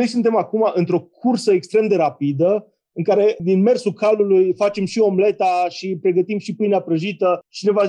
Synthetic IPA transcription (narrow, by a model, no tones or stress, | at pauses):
o̞jsunt̪e̞makumaʔɨnt̪ɾo̞kʰursəekst̪ɾemd̪e̞ɾapid̪ə | ɨŋkaɾe̞d̪inme̞rsukalulujfat͡ʃe̞mʃio̞mble̞t̪aʃipɾe̞ɡət̪imʃipɨjneapɾəʒit̪ət͡ʃineva